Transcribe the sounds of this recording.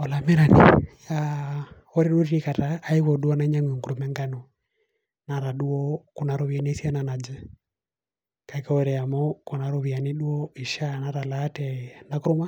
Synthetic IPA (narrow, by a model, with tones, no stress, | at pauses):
ɔ˨la˨mɛ˦ɾa˨nḭja | ɔ˦ɾɛ˦ɗu˦ɾi˦i˦ka˨taːi˦ɣɔ˨ɗu˦ɔ˦na˦ɲa˦ŋwi˨ŋku˨ɾu˨mɛ˦ŋɡa˦nɔ˨ | na˨ɾa˨ɗu˦ɔ˦ku˨na˨ɾɔ˦βia˨ni˦ɛ˦si˦a˦na˨na˨d͡ʒɛ˦ | ka˨ikaɔɾɛ˨a˨mɔ˦ku˨na˨ɾɔ˦βi˨a˨ni˦ɗu˦ɔ˦i˨ʃa˦na˨ɾa˨laː˦tɛna˨ku˦ɾu˦ma˦